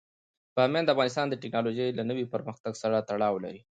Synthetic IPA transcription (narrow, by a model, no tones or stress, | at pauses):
b̥ɑmjɑnd̪afɣɑnɪst̪ɑnd̪əʈɪknɑloʒəjlanəwipəɾməxt̪aɡsaɾat̪aɽɑwla̰ɾi